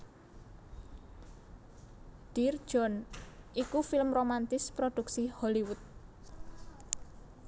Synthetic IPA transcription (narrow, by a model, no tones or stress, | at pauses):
d̥ir̥ʒ̥ɔnʔikufɪlmromant̪ɪspɾod̥uksihɔliwʊt̪̚